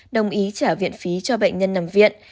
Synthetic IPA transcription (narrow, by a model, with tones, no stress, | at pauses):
ɗə˨˩wŋ͡mʔi˨˦t͡ɕaː˧˩vḭ˧˨ənfi˨˦t͡ɕɔ˧ɓḛ˧˨jŋ̟ɲə˧nːa˨˩mvḭ˧˨ən